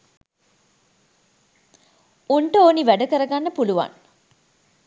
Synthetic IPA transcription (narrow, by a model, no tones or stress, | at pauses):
uɳʈəoːniʋæɖəkəɾəɡanːəpuluʋa̰n